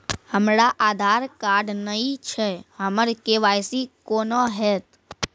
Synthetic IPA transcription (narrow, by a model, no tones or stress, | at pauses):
həmɾaʔaːd̪ʱaːɾkaɖnəĩt͡ʃʰeɦəməɾkeʋajsikonoɦɛːt̪